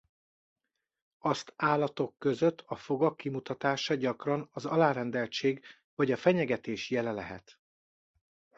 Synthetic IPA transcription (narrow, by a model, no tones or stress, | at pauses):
ɒst̪aːlːɒt̪o̞kːøzøt̪ʰːɒfo̞ɡɒkːimut̪ɒt̪aːʃɒɟɒkrɒnɒzɒlaːɾɛnd̪ɛlt͡ʃeːɡ | vɒɟɒfɛɲɛɡɛt̪eːʃjɛlɛlɛɦɛ̰t̪